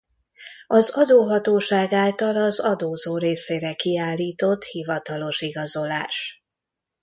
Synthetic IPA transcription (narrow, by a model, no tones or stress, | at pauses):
ɒzɒd̪oːɦɒt̪oːʃaːɡaːlt̪ɒlɒzɒd̪oːzoːɾeːseːɾɛkiaːlːiːt̪o̞t̪hivɒt̪ɒlo̞ʃiɡɒzo̞laːʃ